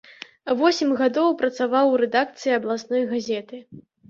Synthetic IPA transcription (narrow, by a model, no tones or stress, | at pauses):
vɔsʲimʲɣad̪ɔwpɾɐt̪savawɾɛd̪ak̚t̪sɨjiɐblˠasnɔjɣazʲɛt̪ɨ